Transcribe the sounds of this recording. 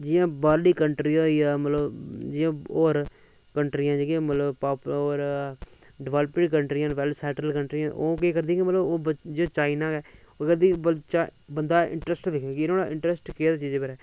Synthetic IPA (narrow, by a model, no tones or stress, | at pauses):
d͡ʒɪjãːbaːɾliːkəɳʈɾiːãːjaːmət̪ləbd͡ʒɪjãːoːɾ | kəɳʈɾiːãːd͡ʒeːɡiãːmət̪ləbpaːpoːɾ | ɖɪʋaːləpɪɖkəɳʈɾiãːʋɛlsɛːʈɾəlkəɳʈɾiãʔoːkeːkəɾd̪ĩãːkimət̪ləboːd͡ʒet͡ʃaːinaːɡɛː | oːkəɾd̪iːət͡ʃabənd̪aːɪ̰̃ɳʈɾəsʈd̪ɪkʰːkɪnoːɽaːʔɪ̃ɳʈɾɛsʈkeaːd̪aːt͡ʃiːd͡ʒbəɾɛː